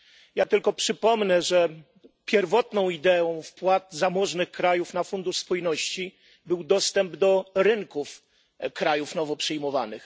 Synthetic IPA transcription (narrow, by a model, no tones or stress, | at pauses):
jat̪ɘlkɔpʂɘpɔmnɛʐɛ | pʲjɛɾvɔt̪nɔ̃w̃id̪ɛɔ̃w̃fpwat̪zamɔʐnɘxkɾajufnafund̪uʂspujnɔɕt͡ɕi | bɘwd̪ɔst̪ɛmbd̪ɔɾɘŋkuf | kɾajufnɔvɔpʂɘjmɔva̰nɘx